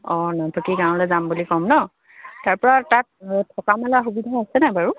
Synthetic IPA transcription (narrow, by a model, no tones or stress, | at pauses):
ɔnɔtʰɔkiɡãw̃lɛzambulikɔmnɔ | taɹpɔɹatat̚tʰɔkamɛlaxubidʱaasɛnajbaɹu